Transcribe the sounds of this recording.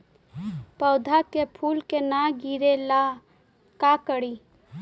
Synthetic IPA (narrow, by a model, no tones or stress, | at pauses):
pəwd̪ʱakepʰulkenaɡiɾela | kakəɽi